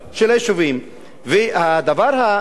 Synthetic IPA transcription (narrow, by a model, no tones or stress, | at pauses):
ʃelaʃuvim | vehad̪avaʁha